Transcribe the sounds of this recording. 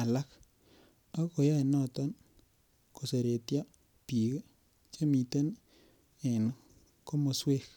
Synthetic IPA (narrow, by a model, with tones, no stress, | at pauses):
a˨la˦k | a˦ko˨ja˦e˨nɔ˦t̪ɔ˦n | ko˨se˨ɾe˨tja˦ | pi˨ke˦ | t͡ʃe˦mi˨t̪e˦n | ɛ˨n | ko˦mo˨swe˦˨k